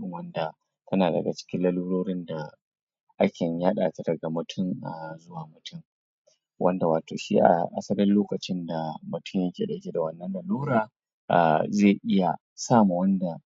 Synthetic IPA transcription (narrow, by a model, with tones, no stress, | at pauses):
wɐ˦nda˨ | tʰɐ˦naː˨dɐ̰˨ɡa˨t͡ʃɪ̥˦kʲɪ˦lɐ˦luː˦ɽoː˦ɽɪ˦nda˨ | ʔa˦kʲʰe˨ɲjaː˦ɗaː˨ta˦dɐ˨ɡa˨mʊ˨tʰʊ˦˨ŋa˨zʊ˦waː˨mʊ˨tʰʊ˦ŋ | wʔɐ˦nda˨waː˨toː˨ʃḭː˦ʔa̰˨ʔa̰˨sɐ˦lɪ˦nloː˦kɐ˨t͡ʃɪ˦nda˨mʊ˨tʰʊ˦˨ɲjɐ˦kʲeː˨ɗɐ˨kʲe˦da˨wɐ˦˨nːɐ˦nlɐ˨luː˦ɾaː˨ | ʔa̰˨ze˦˨ʔɪ˦ja˨ | saː˦mu˨wɐ˦nda˨